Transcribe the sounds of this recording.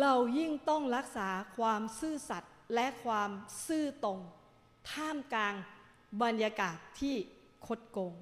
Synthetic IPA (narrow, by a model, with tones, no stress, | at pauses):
ɾa˧wji˥˩ŋt̪ɔ˥˩ŋɾa˦˥k̚saː˩˦kʰwaː˧msɯː˥˩sa˨˩t̪̚lɛ˦˥ʔkʰwaː˧msɯː˥˩t̪o˧ŋ | t̪ʰaː˥˩mklaː˧ŋ | ba˧njaː˧kaː˨˩t̪ʰːiː˥˩ | kʰo˦˥t̪̚ko˧ŋ